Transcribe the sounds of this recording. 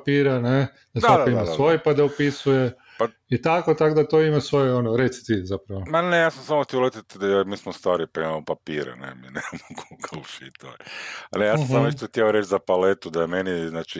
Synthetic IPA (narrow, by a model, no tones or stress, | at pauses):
piːɾane | d̪̥asakaoimasʋo̞jipad̪aupisuje | a | it̪ako̞t̪akod̪at̪o̞imasʋo̞jeonoɾet̪si̥t̪izapɾɐʋomanejaːsamsamoxt̪iɛjolet̪it̪d̪aomiːsmost̪aːɾipaimamopapiːɾa̰nḛminemamokʰokoluʃḭit̪o̰anejassɦamneʃt̪oext̪jɛaoɾet͡ʃzapalet̪ud̪ajemeniznaːt͡ʃi